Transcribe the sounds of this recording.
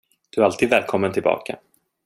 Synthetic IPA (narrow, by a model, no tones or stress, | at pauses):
d̪̥ɵaɾalt̪ʰiːd̪vɛːlkʰɔmːənt̪ʰɪlbɑ̰ːkʰa̰